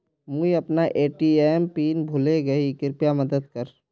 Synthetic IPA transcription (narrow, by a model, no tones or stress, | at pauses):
muiɐpnaʔeːʈiɛːmpiːnbʱʊleɡɐikɪɾpjamɐd̪əd̪kɐɾ